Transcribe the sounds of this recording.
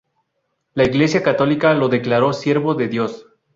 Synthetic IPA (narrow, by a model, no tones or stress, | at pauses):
laiɣle̞sjakat̪o̞likalo̞ðe̞klaɾo̞sje̞ɾβo̞ðe̞ðjo̞s